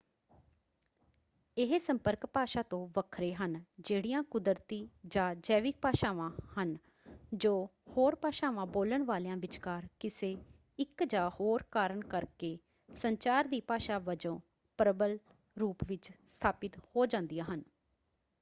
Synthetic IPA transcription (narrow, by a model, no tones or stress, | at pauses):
ɪɦsəmpəɾkpaːʃaːt̪õːʋəkʰɾeːɦənd͡ʒeːɽijãːkʊd̪əɾt̪iːd͡ʒãːd͡ʒɛːʋɪk̚paːʃaːʋãːhən | d͡ʒoːhoːɾpaːʃaːʋãːboːləɳʋaːleãːʋɪt͡ʃkaːɾkɪseː | ɪkd͡ʒaːhoːɾkaːɾəɳkəɾkeː | səɲt͡ʃaːɾd̪iːpaːʃaːʋəd͡ʒõː | pɾəbəl | ɾuːpʋɪt͡ʃst̪ʰaːpɪt̪hoːd͡ʒãːnd̪ijãːɦən